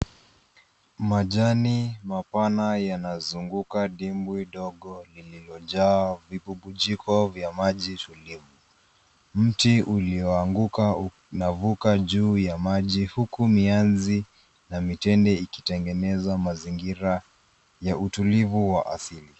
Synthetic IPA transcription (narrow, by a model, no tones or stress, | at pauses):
maʄanimapanajanazuŋɡukaɗimbwiɗɔɠɔlililɔʄaːvipuɓuʄikɔvjamaʄitulivu | m̩tiʔuliɔaŋɡuka | navukaʄuːjamaʄihukumianzi | namitɛndɛiki̥tɛŋɡɛnɛzamaziŋɡiɾa | jautulivuwaʔa̰sili